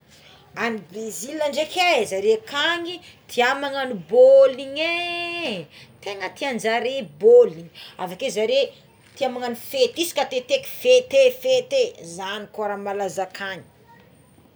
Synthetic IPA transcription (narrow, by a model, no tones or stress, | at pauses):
anibezilaɳɖ͡ʐekʰʲezaɾekaŋi | t̪ʰiamaŋaniboliɲe | t̪eŋət̪iand͡ʒaɾeboliɲa̰vakezaɾe | t̪iamaŋanifet̪isi̥kat̪et̪eki̥fet̪efet̪ezanikaɾamalazakʰaɲi̥